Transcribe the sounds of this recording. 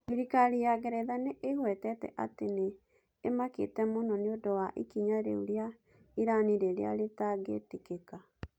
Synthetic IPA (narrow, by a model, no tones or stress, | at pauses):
iɾikaɾijaɣɛɾɛðaneʔeɣwɛtɛtɛ̰ʔateneː | makḛtɛmonɔneodowaʔikiɲaɾḛuɾja | iɾaniɾeɾḛa̰ɾetaɡḛtekeka